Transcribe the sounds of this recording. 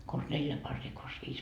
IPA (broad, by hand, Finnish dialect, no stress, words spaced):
kons neljæ pɑrːiː kons ʋiːs